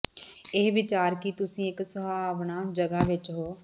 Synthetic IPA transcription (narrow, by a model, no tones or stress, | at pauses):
ɪɦʋɪt͡ʃaːɾkit̪ʊsĩːɪksʊbaːʋnaːd͡ʒəɡaːʋɪt͡ʃɦoː